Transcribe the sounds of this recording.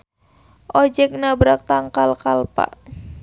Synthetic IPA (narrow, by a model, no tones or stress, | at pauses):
ʔɔd͡ʒɛk̚nabɾak̚t̪aŋkalkalpa̰ʔ